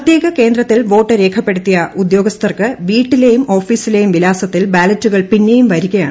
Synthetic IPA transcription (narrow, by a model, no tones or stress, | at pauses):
ɐt̪jeːɣɐke̞ːnd̪ɾɐt̪ːilʋo̞ːʈːɐɾe̞ːkʰɐpːe̞ɽut̪ːijɐʔud̪jo̞ːɡɐst̪ʰɐrkɨʋiːʈːilejumo̞ːfiːsilejumʋilaːsɐt̪ːilbaːlɐtːuɣɐɭpinːejumʋɐɾiɣɐja̰ːɳ